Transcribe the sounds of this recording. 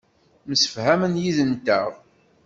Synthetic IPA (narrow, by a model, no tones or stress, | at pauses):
məsə̥fhæmənjiðənt̪əʁ